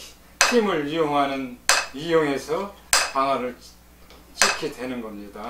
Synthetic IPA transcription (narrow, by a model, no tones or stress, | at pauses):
kimɯɭɥijoŋɦanɯnɥijoŋe̞sʰʌ | paŋaɾɯɭ | t͡ɕikʰidwe̞nɯnɡʌmɲida